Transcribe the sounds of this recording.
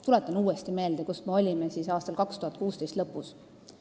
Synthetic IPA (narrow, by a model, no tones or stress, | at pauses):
t̪ulɛt̪ːˑɑnuːest̪ime̞ːld̪̥ekusme̞o̞lʲimesiːsɑːst̪ɑlkɑkst̪uhɑt̪̚ˑkuːst̪ejst̪lɤpːus